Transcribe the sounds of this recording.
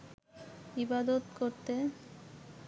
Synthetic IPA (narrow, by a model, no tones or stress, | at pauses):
hibad̪ot̪koɾt̪e